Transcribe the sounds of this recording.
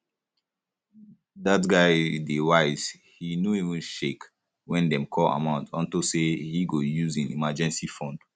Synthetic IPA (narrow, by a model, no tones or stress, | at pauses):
datɡaɪdewaɪz̥ | hinoivũnʃek | wɛ̃ndɛ̃mkʰɔla̰mãʊ̃ntʰɔ̰̃ntosehiɡojuzĩnḭmad͡ʒɛ̃nsifɔ̃nd̥